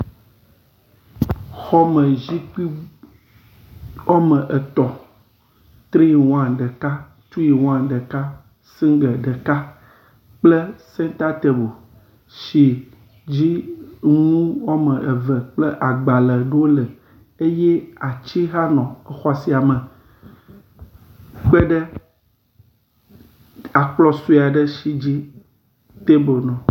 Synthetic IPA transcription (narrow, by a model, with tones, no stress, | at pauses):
xɔ˦mə̃˨zi˦k͡pi˦ | wɔ˦mə̃˨ʔə˨t̪ɔ˨ | t̪ɾi˦i˨wɔ̃˦ã˨ɖə˨ka˦ | t͡ʃu˦ji˨wɔ̃˦ã˨ɖə˨ka˦ | sĩ˦ŋɡə˨ɖə˨ka˦ | k͡plə˦sɛ̃˦nt̪a˦t̪e˨bo˨ | ʃi˨ | d͡ʑi˦ŋũ˦wa˦mə̃˨ʔe˨və˨k͡plə˦ʔa˨ɡ͡ba˨lə˨ɖə˦wo˦lə˨ | e˦je˦a˨t͡ɕi˦ɦa˦nɔ̃˨ɛ˨xa˦˨si˦a˨mə̃˨ | k͡pe˦ɖə˦ | a˨k͡plɔ˦su˦˨a˨ɖə˦ʃi˦˨d͡ʑi˦ | t̪e˦bo˨nɔ̃˨